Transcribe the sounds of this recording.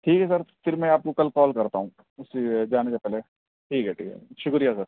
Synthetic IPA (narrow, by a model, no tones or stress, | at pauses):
ʈʰiːkɦɛs̬ɐɾfɪɾmɛ̃aːp̚kokɐlkɔːlkɐɾt̪aɦũ | ʊsed͡ʒaːnesepɛːle | ʈʰiːkɦɛʈʰḭːkɦɛ̰ʃʊkɾijasɐɾ